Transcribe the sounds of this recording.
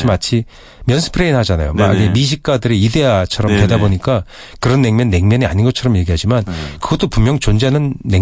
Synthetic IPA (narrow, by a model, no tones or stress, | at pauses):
imat͡ɕʰi | mjʌnsʰɯ̥pʰɯɾe̞inɦad͡ʑana̰jo̰maiɡemiɕ̬ʰik̚k͈adɯɾiide̞at͡ɕʰʌɾʌmtwedaboɲik͈a | kɯɾʌnːe̞ŋmjʌnːe̞ŋmjʌɲia̰ɲinɡʌt͡ɕʰʌɾʌmje̞ɡiɦad͡ʑimankɯɡʌt͈opumjʌŋt͡ɕond͡ʑenɯnːe